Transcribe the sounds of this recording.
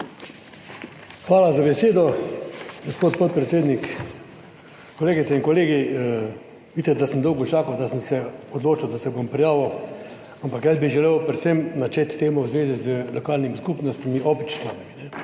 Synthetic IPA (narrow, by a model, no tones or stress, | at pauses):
xʋaːlazabɛseːd̪ɔ | ɡospoːt̪pɔt̪̚pɾɛt̪seːd̪nik | kɔleːɡit̪sɛinkɔleːɡi | ʋiːsɛt̪̚d̪asənd̪ɔwɡɔt͡ʃaːkɐwd̪asənsɛɔd̪loːt͡ʃawd̪asɛbompɾijaːʋɐw | ampakjəzbiʒɛlewpɾɛt̪semnat͡ʃet̪ːeːmɔwzʋeːzizəlɔkaːlnimiskupnɔst̪imiʔopit͡ʃsaːmiminɛ